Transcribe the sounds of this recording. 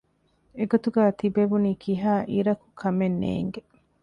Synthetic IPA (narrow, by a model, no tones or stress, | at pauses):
eɡot̪uɡæːt̪ibeʋuniːkiɦaːʔiɾɐku̥kʰɐmenːḛːŋɡe